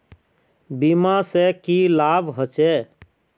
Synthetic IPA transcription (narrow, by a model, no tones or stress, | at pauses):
bimasekilaːbɦət͡ʃɛ